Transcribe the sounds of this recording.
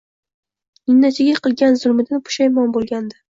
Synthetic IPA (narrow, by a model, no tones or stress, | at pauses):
nɪnːat͡ʃʰɪɡʲaqɨlˠɡʲanzʊlˠmɪd̪anpʰʊ̥ʃajmɒnbolˠɡʲand̪ɪ